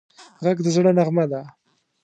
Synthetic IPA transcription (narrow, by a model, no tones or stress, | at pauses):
ʁaɡd̪əzɽənaɣmad̪a